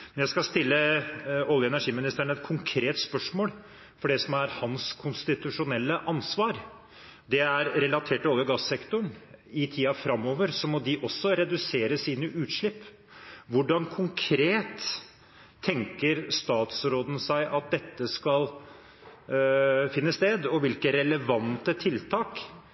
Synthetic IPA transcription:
mɛnjæɪskɑst̪ɪlːəɔljəɛnæʂiːmɪnɪst̪əɳɛt̪̚kʰʊŋkʰɾeːt̪spœʂmoːl | fɔɖɛsɔmæɾhɑnskʰʊnst̪ɪt̪ʉʂʊnɛlːəʔɑnsʋɑːɾ | d̪ɛæɾɾɛlɑt̪ʰeːʈːɪɔljəɡɑsːɛkt̪ʊɳɪt̪ʰiːɑfɾɑmːoːʋəɾsɔmɔd̪ɪʔɔsːɔɾɛd̪ʉseːɾəsiːnəʔʉːt̪ʂɭɪpː | ʋʊɖɑnkʰʊŋkʰɾeːt̪ʰː | ɛŋkəɾst̪ɑːt̪sɾoːd̪n̩sæɪʔɑt̪̚d̪ɛt̪ːəskɑl | fɪnːəst̪eːd̪ɔʋɪlkəɾɛləʋɑnt̪ət̪ʰɪlt̪ʰɑːk

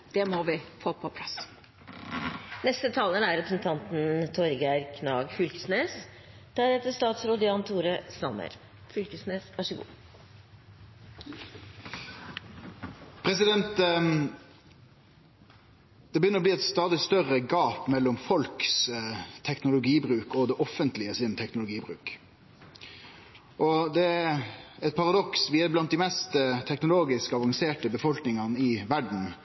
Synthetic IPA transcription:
d̪̥ɛmɔʋɪfoːpʰɔpʰlɑs | nɛst̪ət̪ʰɑːlənæɾɾɛpɾəsn̩t̪ʰɑnt̪n̩t̪ʰɔɾɡæɾkʰnɑːɡfʏlkə̥sneːs | d̪̥ʰæːɾɛt̪ːəst̪ɑːt̪sɾoːd̪ɪɑnt̪ʰuːɾəsɑ̰mːə̰ɾ | fʏlkəsneːsʋɑʂəɡṵː | pʰʁɛsɪd̪ɛnt̪ | d̪̥ɛbəjʏnːəʁɔbliːɛt̪st̪ɑːd̪ɪst̪œʁəɡɑːpmɛlːɔmfɔlkst̪ʰɛknʊlʊɡiːbɾʉːkɔd̪ɛʔɔfːənt̪lɪəsɪnt̪ʰɛknʊlʊɡiːbʁʉ̰ːk | ʔɔd̪ɛæɛɪt̪̚pʰɑʁɑd̪ɔksʋiːəblɑnt̪d̪ɪmɛst̪ət̪ʰɛknʊloːɡɪskɑʋɑŋseːʈəbəfɔlknɪŋɑnəɪʋæɖɳ̩

